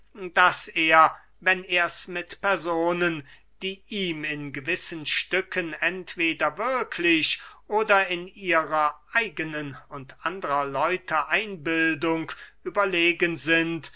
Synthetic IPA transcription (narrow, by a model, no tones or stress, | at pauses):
d̥aseːɐ | vɛneːɐsmɪtpɛɐzoːnən | d̥iːʔiːmɪnɡəvɪsənʃtʏkʰənɛntv̥eːdɐvɪɐkʰlɪɕʔoːdɐɪniːʁɐʔaɪɡənənʊntʔandəʁɐlɔʏtʰəʔaɪnbɪldʊŋkʔyːbɐleːɡənzɪnt